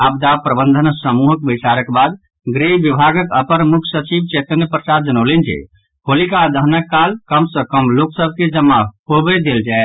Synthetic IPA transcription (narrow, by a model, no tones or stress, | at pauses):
abd̪apɾəbənd̪ʱənsəmuɦək̚bət͡ʃaɾəkbad̪ | ɡɾeʋibʱaɡəkəpəɾmukʰsət͡ʃibt͡ʃet̪ənjəpɾəsad̪d͡ʒənəʊlend͡ʒḛ | ɦolikad̪əɦnəkːalkəmsə̃kəmloksəbʱked͡ʒəmːaɦobɛd̪eld͡ʒae